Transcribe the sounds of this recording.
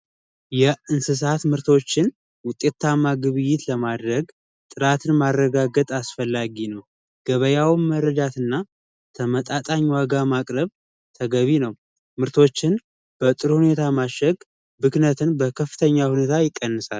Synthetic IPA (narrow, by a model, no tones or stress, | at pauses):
jɛɨnsɨs̬at̪mɨɾt̪ʰo̞t͡ʃːɪn | wʊt̪ʼe̞t̪ʰːamaɡɨβɨjːɪt̪ləmad̪ɾəɡ | t̪ʼɨɾat̪ʰɨnmarːəɡaɡət̪ʼasfəlːaɡinəw | ɡ̥əβəjawmməɾəd͡ʒat̪ɨnːa | t̪ʰəmət̪ʼat̪ʼaɲːwaɡamakʼɾəβ | t̪ʰəɡəβinəw | mɨɾt̪ʰo̞t͡ʃːɪn | b̥ət̪ʼɨɾhune̞t̪ʰamaʃəɡ | bɨknət̪ʰɨnbəkʰəfːɨt̪ʰəɲːahune̞t̪ʰajɪkʼːənːɨsal